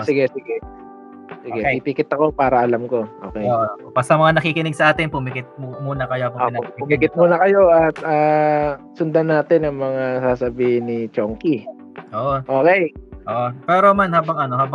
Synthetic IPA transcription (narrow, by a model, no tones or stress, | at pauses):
sɪɡɛsɪɡɛ | sɪɡɛpipikɪt̪ɐko̞paːɾɐʔɐlamko̞ʔo̰ːkɛjpɐst̪ɐmɐŋanɐkikɪnɪɡ̚sɐʔaːt̪ɪnpʊmɪkɪt̪̚mmuːnɐkɐjopʊoɪnoʊmɪkɪt̪̚muːnɐkɐjo̞ɐt̪̚aː | sʊnd̪anːaːt̪ɛnɐŋmɐŋasaːsɐbiːhɪnːɪt͡ʃoŋki | ʔoːʔoʔoːkɛjʔoʔopɛːɾomanhaːbɐŋʔɐno̞haːbɐ